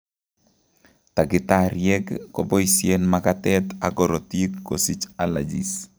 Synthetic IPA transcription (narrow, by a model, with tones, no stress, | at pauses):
ta˨ɡɪ˨taɾjɛ˦ɡːo˨bɔ˦isjenmakatɛta˨ɡɔ˨ɾɔ˨ti˦kːo˨si˦t͡ʃala̰˨d͡ʒḭ˨s